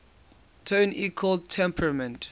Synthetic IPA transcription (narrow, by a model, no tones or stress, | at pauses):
tʰõnikʰɔltʰɛ̃mpʰɹəmə̃nt